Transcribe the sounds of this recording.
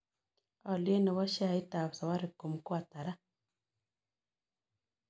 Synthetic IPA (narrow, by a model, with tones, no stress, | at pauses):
ɔ˨lna˨βɔ˦ʃa˦˨i˦ta˨βsa˨wa˦ɾi˨ku˨m˨ku˦a˨ta˨ɾa˦